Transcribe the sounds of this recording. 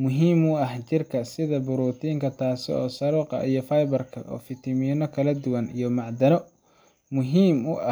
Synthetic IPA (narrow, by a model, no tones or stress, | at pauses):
mʊɦiːmʊɐht͡ʃɪrkʰɐsɪðɐbʊɾuːt̪ʰiːŋkʰɐt̪ʰaːsɪɔːsɐɾuːqɑ̰ʔijɞfɐjbɐrkʰɐʔɔ̰ːfɪt̪ʰɪmiːnɔkʰɐlɐd̪ʊwɐnḭjɞmɑʕd̪ɐnɔ | mʊɦiːmʊʔɐ